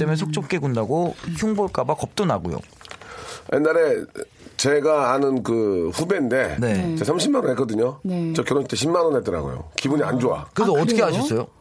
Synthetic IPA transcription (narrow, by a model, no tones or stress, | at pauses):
t͈emesʰok̚t͡ɕ͈ʰok̚k͈eɡundaɡoçjuŋboɭk͈abakʌp̚t͈onaɡo̰jo̰ | enːaɾe̞ | t͡ɕe̞ɡaːnɯnkɯɸube̞nde̞ne̞t͡ɕesʰʌmɕʰimːanonɦek͈ʌdɯɲot͡ɕʌkjʌɾonɕʰi̥t͈eɕʰimːanʌnɦet͈ɯɾa̰ɡo̰jo̰kibuɲia̰nd͡ʑoa̰kɯes̬ʰoʌt͈ɯkʰeɦaɕʰʌs͈ʌjo